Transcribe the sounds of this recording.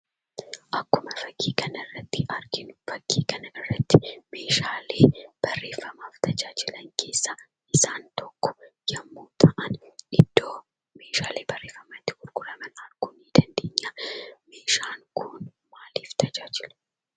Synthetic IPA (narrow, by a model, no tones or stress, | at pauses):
ʔɐkːʊmɐfɐɡːiːkʰɐnɐrːɐt̪ːɪʔɐɾɡɪnfɐɡːiːkɐnɐɪrːɐt̪ːɪme̞ːʃaːleːb̥ɐrːe̞ːfːɐmaːft̪ʰɐd͡ʒaːd͡ʒɪlɐŋkʰe̞ːsːa | ɪsaːnt̪ɔkːɔ̥jɐmːuːt̪ʰɐʔɐnɪd̪̥ːoː | me̞ːʃaːleːbɐrːe̞ːfːɐmɐt̪ːɪɡʊɾɡʊɾɐmɐnɐɾɡ̥ʊniːd̪ɐnd̪e̞ːɲːaːmeːʃaːŋkʰun | maːliːft̪ʰɐd͡ʒaːd͡ʒɪlɐ